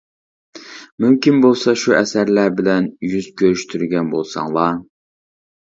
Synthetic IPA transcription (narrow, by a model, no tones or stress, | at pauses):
mymkʲinbolˠsɑʃuɛsæɾlæɾbɪlɛnjyz̥kʲʰøɾyʃt̪ʰyɾɡʲɛnbolˠsɑ̰ŋlˠɑ